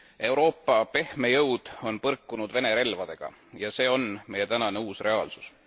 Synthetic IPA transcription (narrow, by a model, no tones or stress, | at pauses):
e̞uɾo̞ːpːˑɑpe̞hme̞jɤwd̪̥o̞npɤrkːunud̪̥ve̞ne̞ɾe̞lvɑd̪e̞ɡ̥ɑ̰ | jɑse̞ːo̞nme̞je̞t̪ænɑne̞uːsre̞ɑːlsu̥s